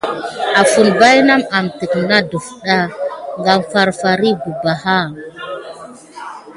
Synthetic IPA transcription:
a˨fu˨nba˦jna˦ma˨mti˨kna˦du˨fɗa˦˨ŋɡa˨mfa˦˨ɾfa˨ɾi˦bu˨ba˨ha˦

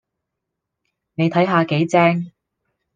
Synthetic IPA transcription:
ne˨˧jt̪ʰɐ˨˥jɦaː˨˧ke˨˥jt͡sɛː˥ŋ

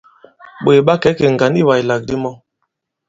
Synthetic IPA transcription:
ɓe˨ɓa˦kɛ˨˦ke˨ŋ˨ɡa˨˦ni˦˨wa˨jla˨k̚di˦mɔ˦

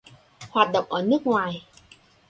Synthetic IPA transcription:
hwaː˨˩t̚ɗə̰˧˨wŋ͡mʔəː˧˩nɨ˦˥ək̚ŋwaː˨˩j

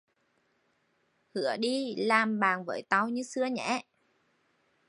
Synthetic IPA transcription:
hɨ̰˧˩˦əɗi˧laː˨˩mɓaː˨˩nvə̰ː˧˨˦jt̪a˧wɲɨ˧sɨ˧əɲɛ̰˧˥˦

